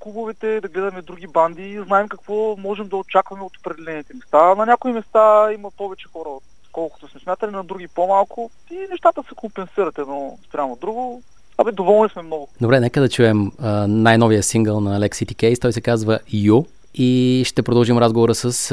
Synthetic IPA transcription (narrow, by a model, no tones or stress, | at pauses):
kubʊvɛt̪ɛd̪ɐɡlɛd̪ɐmɛd̪ɾuɡʲiband̪iːznaɛmkɐkvɔmɔʒɛmd̪ɐot͡ʃakvɐmɛot̪o̥pɾɛd̪ɛlɛnit̪ɛmɛst̪anɐnʲakʊimɛst̪aimɐpɔvɛt͡ʃɛ̥xɔɾəot̪ | kɔlˠkʊ̥t̪ʊsmɛsmjat̪ɐlinɐd̪ɾuɡʲipomalˠkʊ | inɛʃt̪at̪əsɛkompɛnsiɾɐt̪ɛnɔspɾʲamod̪ɾuɡʊ | ɐmid̪ovɔlˠnismɛmnɔɡʊd̪obɾɛnɛkəd̪ɐt͡ʃuɛmənajnɔviəsiŋɡəlˠnɐːlɛksit̪ikɛjst̪ɔjsɛkazvəju | iʃt̪ɛpɾod̪əlˠʒimɾazɡovoɾəsəs